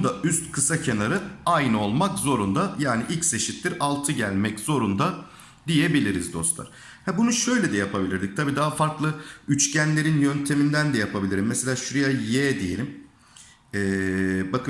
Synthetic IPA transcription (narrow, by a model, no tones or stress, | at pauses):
d̪aʔyst̪kʰɯsacʰenaɾɯajnɯo̞lˠmakzo̞ɾund̪ajaːniʔilʲcse̞ʃit̪liɾalˠt̪ʰɯɟælʲmɛcz̥o̞ɾund̪a | d̪ije̞bilʲiɾizd̪o̞̰st̪lˠa̰ɾ | hɛbunuʃø̞jlʲɛd̪ɛjapʰabilʲiɾd̪ʲic̚t̪ʰabiːd̪aɦafaɾklˠɯyt͡ʃcʰænlʲe̞ɾinjønt̪ʰe̞mind̪ænd̪ɛjapʰabilʲiɾimːɛse̞lʲaːʃuɾjajɛd̪ije̞lʲim | ɛːbakɯ